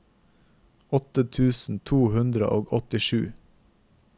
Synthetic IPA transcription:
ɔt̪ət̪ʰʉːsn̩t̪ʰuːhʉnd̪ɾə̰ʔoːɡɔt̪ɪʃʉ̰ː

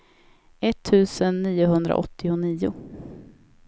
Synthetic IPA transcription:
ɛt̪ʰːʉ̟ːsənːiːʊɦɵnd̪ɾa̰ʔɔ̰t̪ʰːɪʊniːʊ

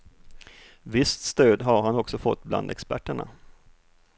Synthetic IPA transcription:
vɪst̪st̪øːd̪ɦaɾɦanɔksɔfɔt̪ːbla̰nd̪ɛkspæ̰ʈːəɳa̰

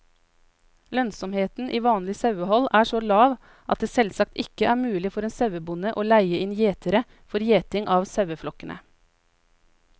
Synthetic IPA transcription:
lœnsɔmheːt̪n̩ʔiːʋɑːnlɪsɑʉəhɔlæːʂoːlɑːʋ | ʔɑt̪̚d̪eːsɛlsɑk̚t̪ɪkəʔæːɾmʉːlɪfɔɾeːnsɑʉəbʊnəʔoːlæɪəɪnjeːt̪ʰəɾə | fɔɾjeːt̪ɪŋʔɑːʋsɑʉəflɔkənʔə̰

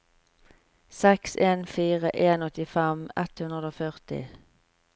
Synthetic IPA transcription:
sɛkseːnfiːʁəʔeːnɔt̪ɪfɛmɛt̪hʉnʁəd̪oːfœʁt̪ɪ̰

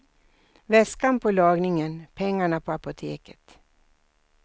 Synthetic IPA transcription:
vɛskanpʰɔlɑːɡnɪŋənpʰɛŋːaɳapʰɔapʊt̪ʰeːkə̥t̪

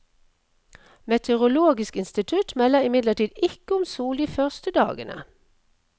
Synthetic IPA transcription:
mɛt̪ʰəʁʊloːɡɪskɪnst̪ɪt̪ʰʉt̪mɛlːəʁɪmɪd̪ləʁʈiːd̪ɪkəʊmsuːliːfœʁst̪əd̪ɑ̰ːɡənə̰

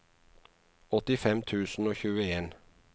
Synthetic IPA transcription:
ɔt̪ɪfɛmt̪ʰʉːsn̩oːçʉːəeːn

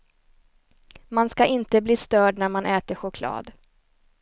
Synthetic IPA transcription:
manskaʔɪnt̪əbliːst̪œːɖnæɾmanʔɛːt̪əɧʊkʰlɑ̰ːd̪

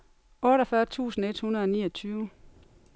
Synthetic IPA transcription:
ɔːɾɒfɶɐt͡sʰṵːsn̩e̝d̥hunɐðˠɒnḭːɐt͡sʰyːʊ

